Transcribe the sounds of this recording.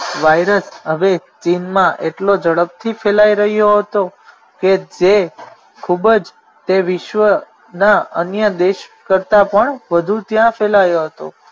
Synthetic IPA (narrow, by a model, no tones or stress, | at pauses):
ʋajɾəsɦəʋet͡ʃinmãʔeʈlod͡ʒəɭəp̚t̪ʰifelaiɾəɦijoɦət̪o | ked͡ʒe | kʰubəd͡ʒ | t̪eʋɪʃʋə | naə̰njəd̪eʃkəɾt̪apəɳʋəd̪ʱut̪jãfelajoɦət̪o̰